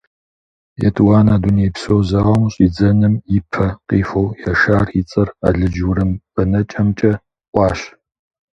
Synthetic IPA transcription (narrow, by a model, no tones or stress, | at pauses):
jɛ̰tʰʼwaːnaːduneːpsowzɐʁɐmɕʼid͡zɐnɨmjɪpʰɐqiːfowjaʃaːrit͡sʼɐra̰ɮɨd͡ʒwɾɨmpɐnɐt͡ʃʼɐmt͡ʃʼɐ | ʔʷʼɑːɕ